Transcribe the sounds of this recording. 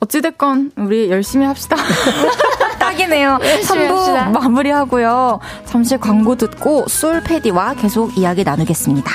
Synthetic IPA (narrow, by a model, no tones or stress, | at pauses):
ʌt͡ɕ͈edek͈ʌnuɾiejʌɭɕ͈imihap̚ɕ͈ida | t͈aɡine̞josʰambumamuɾihaɡojo | t͡ɕamɕʰikwaŋɡodɯt̚k͈os͈ʰuɭpʰe̞d͡ʑiwake̞sʰoɡijaɡinanɯɡe̞s͈ɯmɲida